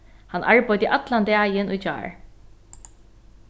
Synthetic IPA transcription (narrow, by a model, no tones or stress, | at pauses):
hanʔa̰ɹpɔjt̪əʔat̪land̪ɛːjɪnujd͡ʒa̰ːɹ